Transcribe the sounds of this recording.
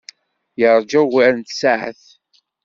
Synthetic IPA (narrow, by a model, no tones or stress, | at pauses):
jəɾˤd͡ʒæwɾnt̪saʕə̰θ